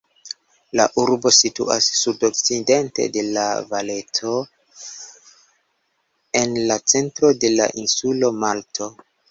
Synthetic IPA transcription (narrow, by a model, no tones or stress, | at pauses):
la̰ʔuɾbo̞sitṵasːudok̚t͡side̞nte̞̰de̞la̰vale̞to̞ | e̞nlat͡se̞ntɾo̞de̞la̰ʔinsulo̞maltʰo̞